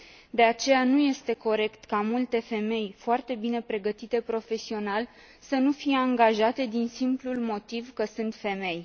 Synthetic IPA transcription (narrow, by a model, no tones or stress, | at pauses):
d̪e̞at͡ʃe̞januje̞st̪e̞ko̞ɾe̞kt̪kamult̪e̞fe̞me̞jfoart̪e̞bine̞pɾe̞ɡət̪it̪e̞pɾo̞fe̞sio̞nal | sənufije̞aŋɡaʒat̪e̞d̪insimplulmo̞t̪ivkəsɨnt̪fe̞me̞j